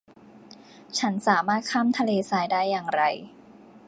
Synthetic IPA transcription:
t͡ɕʰa˦˥nsaː˩˦maː˥˩t̪̚kʰaː˥˩mt̪ʰa˧leː˧saː˧jdaː˥˩jːaː˨˩ŋɾa˧j

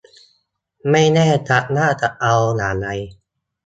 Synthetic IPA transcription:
ma˥˩jnɛː˥˩˨t͡ɕa˨˩ʔnaː˥˩t͡ɕa˨˩ʔʔa˧wnaː˩˦la˧j

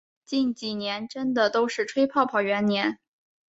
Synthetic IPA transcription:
t͡ɕi˥˩nt͡ɕi˨˩njɛ˧˥nʈ͡ʂə˥nd̪ə˨t̪o˥ʊʂɻ̩˥˩ʈ͡ʂʰwe˥ɪpʰɑ˥˩ʊpʰɑ˨˩ʊɥɛ˧˥nnjɛ˧˥n

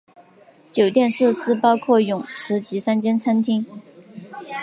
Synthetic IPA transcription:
t͡ɕjo˨˩ʊt̪jɛ˥˧nʂɻ̩˥˩sɹ̩˥pɑ˥ʊkʰwɔ˥˩jʊ˨˩ŋʂɻ̩˧˥t͡ɕi˧˥sa˥nt͡ɕjɛ˥nt͡sʰa˥nt̪ʰi˥ŋ

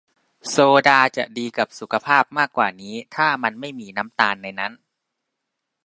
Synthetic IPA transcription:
soː˧daː˧t͡ɕa̰˨˩ʔdiː˧ka˨˩p̚su˨˩kʰa˧pʰaː˥˩p̚maː˥˩k̚kːwaː˨˩niː˦˥t̪ʰaː˥˩ma˧nma˥˩jmiː˧na˦˥mt̪aː˧nːa˧jna˦˥n

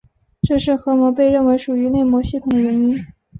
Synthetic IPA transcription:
ʈ͡ʂɤ˥˧ʂɻ̩˥˩xɤ˧˥mɔ˧˥pe˥˧ɪɻə˥˩nwe˧˥ɪʂu˨˩y˧˥ne˥˩ɪmwɔ˧˥ɕi˥˩t̪ʰʊ˨˩ŋɻə˧˥ni˥n

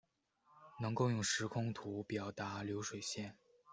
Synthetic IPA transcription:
nɤ˧˥ŋko˥˧ʊjʊ˥˩ŋʂɻ̩˧˥kʰʊ˥ŋt̪ʰu˧˥pjɑ˨˩ʊt̪a˧˥ljo˧˥ʊʂwe˨˩ɪɕjɛ˥˩n

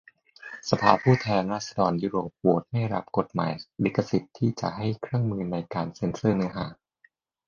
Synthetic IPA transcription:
sa˧pʰaː˧pʰuː˥˩t̪ʰɛː˧nɾaː˥˩t̪̚sa˧dɔː˧njuː˦˥ɾoː˨˩p̚wu˨˩˦t̪̚ma˥˩jɾa˦˥p̚ko˨˩t̪̚ma̰ː˨˦jli˦˥kːa˧si˨˩t̪ʰːiː˥˩t͡ɕa̰˨˩ʔɦa˥˩jkʰɾɯ˥˩əŋmɯː˧na˧jkaː˧nse˧˥nsɯː˥˩nɯ˦˥ɐɦaː˩˦

